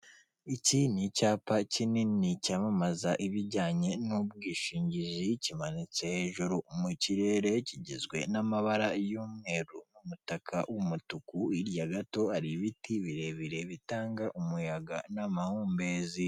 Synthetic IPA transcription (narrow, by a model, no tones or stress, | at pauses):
icinicaːpacininicamamazaʔiβiɾɟaːɲe̞nubɡiːʃiːɲɟiʒicimanit͡se̞heʒuɾumuciɾe̞ːɾe̞ciɟizɡwe̞̰namaβaɾajuːmŋe̞ɾunumutakʰa̰wumutukuiɾjaɡato̞aɾiβitiβiɾe̞βiɾe̞βitaːŋɡaʔumujaɡanamahuːmbe̞zi